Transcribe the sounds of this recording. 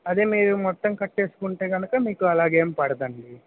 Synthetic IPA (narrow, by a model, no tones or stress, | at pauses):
ɐd̪eːmiːɾumɔt̪ːɐmkɐʈːeːsu̥kuɳʈeːɡɐnɐkɐmiːkuɐlaːɡeːmpɐɽɐd̪ɐɳli